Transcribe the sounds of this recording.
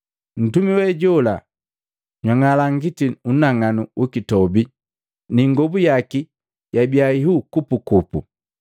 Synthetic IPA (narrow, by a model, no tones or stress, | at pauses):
n̩tumiwɛɟɔla | ɲwaŋalaŋɡitiunaŋanuukitɔbi | niŋɡɔbujaki | jabiaiɦukupukupṵ